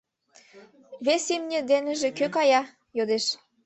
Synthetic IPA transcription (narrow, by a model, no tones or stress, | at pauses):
βesimnʲĕd̪enə̆ʒĕkøkɑjɑ | jod̪eʃ